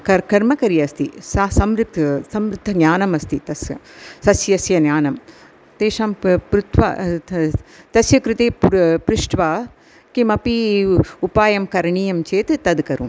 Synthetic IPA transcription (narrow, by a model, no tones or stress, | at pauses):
kɐkɐɾmɐkɐɾjɐst̪isɐsɐmɾɪt̪ʰɐsɐmɾud̪ʱːɐɡjaːnɐmɐst̪it̪ɐsjɐsɐsjɐsjɐnjaːnɐm | t̪eːʂaːmpɾut̪ʋa̰ | t̪ɐsjɐkɾɪt̪eːppɾɪʂʈʋaː | kimɐpiupaːjɐmkɐɾɳijɐmt͡ʃeːt̪ɨt̪ɐd̪kɐɾṵm